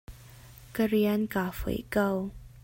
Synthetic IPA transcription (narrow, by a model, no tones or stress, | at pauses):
kəɾiənkafṵjkəw